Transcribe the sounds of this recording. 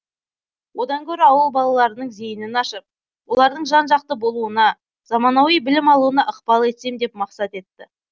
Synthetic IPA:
wo̞d̪ɑŋkʲʰɵɾɪɑwəlˠbɑlˠɑlˠɑɾənəɴze̞jɪnɪnɑʃəp̚ | wo̞lˠɑɾd̪əɴʒɑnʒɑqt̪əbo̞lˠuənɑ | z̥ɑmɑnɑwijbɪlɪmɑlˠuənɑʔəqpɑlˠe̞t̪se̞md̪e̞pmɑqsɑt̪e̞t̪ːɪ

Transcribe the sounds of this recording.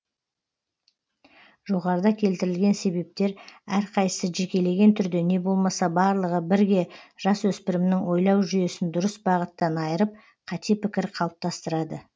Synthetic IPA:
ʒ̥o̞ʁɑɾəd̪ɑkʲʰe̞lt̪ɪɾɪlɡʲe̞nse̞be̞p̚t̪e̞ɾæɾqʰɑjəsəʒe̞kʲe̞le̞ɡʲe̞nt̪ʰʏɾd̪e̞ne̞bo̞lˠmɑsɑbɑɾlˠəʁəbɪɾɡʲe̞ʒ̥ɑswɵspɪɾɪmnɪŋwo̞jlˠɑwʒyje̞sɪnd̪ʊɾəsbɑʁət̪ːɑnɑjəɾəp̚ | qʰɑt̪ʰe̞pʰɪkʲɪɾqʰɑlˠəp̚t̪ɑst̪əɾɑd̪ə

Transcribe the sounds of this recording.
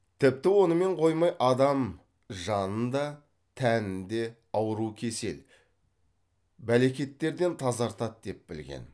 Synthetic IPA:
t̪ʰɪp̚t̪ɪwo̞nəme̞ɴqʰo̞jmɑjʔɑd̪ɑm | ʒɑnənd̪ɑ | t̪ʰænɪnd̪e̞ | ɑwəɾukʲʰe̞se̞̰l | bæle̞kʲe̞t̪ːe̞ɾd̪e̞nt̪ʰɑzɑɾt̪ɑt̪̚d̪e̞p̚bɪlɡʲe̞̰n

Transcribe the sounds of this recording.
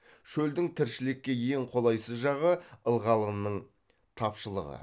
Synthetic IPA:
ʃɵld̪ɪŋt̪ʰɪɾʃɪlɪkʲːe̞je̞ŋqʰo̞lˠɑjsəzʒɑʁəəlˠʁɑlˠənːəɴ | t̪ʰɑpʃəlˠəʁə̰

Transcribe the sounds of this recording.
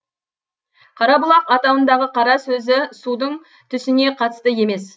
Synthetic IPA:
qʰɑɾɑbʊlˠɑqɑt̪ɑwənd̪ɑʁəqʰɑɾɑsɵzɪsud̪əɴ | t̪ʰʏsɪne̞qʰɑt̪ə̥st̪əje̞me̞s

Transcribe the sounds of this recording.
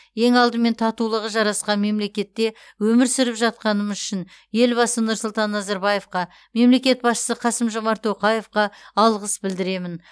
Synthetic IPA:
je̞ŋɑlˠd̪əme̞nt̪ʰɑt̪ulˠəʁəʒɑɾɑsqɑnme̞mle̞kʲe̞t̪ːe̞ | wɵmɪɾsɪɾɪpʒɑt̪̚qɑnəməzʏʃɪn | je̞lbɑsənʊɾsʊlˠt̪ɑnːɑzɑɾbɑje̞fqɑ | me̞mle̞kʲe̞t̪̚bɑsʃə̥səqʰɑsəmʒo̞mɑɾt̪oqɑje̞fqɑːlˠʁəsbɪld̪ɪɾe̞mɪn

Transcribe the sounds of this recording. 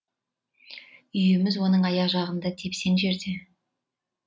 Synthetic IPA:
ʏjɪmɪzwo̞nəɴɑjɑʒɑʁənd̪ɑt̪ʰepse̞nʒe̞ɾd̪e̞

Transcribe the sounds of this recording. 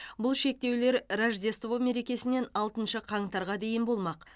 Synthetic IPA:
bʊlˠʃe̞k̚t̪e̞wle̞ɾraʒd̪e̞st̪vo̞me̞ɾe̞kʲe̞sɪne̞nɑlˠt̪ənʃəqʰɑɴt̪ɑɾʁɑd̪e̞jɪnbo̞lˠmɑq

